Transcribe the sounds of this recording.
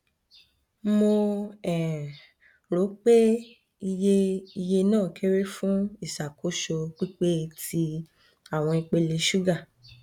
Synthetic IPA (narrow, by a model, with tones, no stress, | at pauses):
mo˧ɛ˨ | ɾo˨˦k͡pe˦ | i˧je˦i˧je˧nãː˦˨kʰe˦ɾe˦fũ˦i˦˨ʃa˨kʰo˨˦ʃo˧k͡pi˦k͡pe˦˧tʰi˧ | a˦˨w̃ɔ̃˧i˧k͡pe˧le˧ʃu˦ɡa˦˨